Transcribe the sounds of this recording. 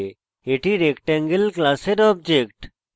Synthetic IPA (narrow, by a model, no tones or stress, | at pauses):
eʈiɾekʈɛ̃ŋɡəlklaseɾɔːb̚d͡ʒekʈ